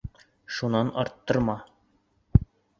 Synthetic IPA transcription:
ʃunɑnɒɾt̪ːɤ̆ɾmɑ

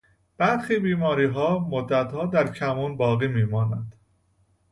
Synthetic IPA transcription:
b̥æɾxiːbiːmɒːɾiːɦɒːmod̪ːæt̪hɒːd̪æɾcʰæmuːnbɒːɣiːmiːmɒːnænd̪̥

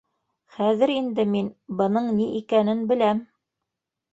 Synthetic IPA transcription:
χæðɘɾind̪ɘminbɤ̆nɤɴniʔikænɘnbɘ̆læm

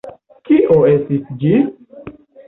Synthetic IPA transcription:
kiʔoesisd͡ʒi

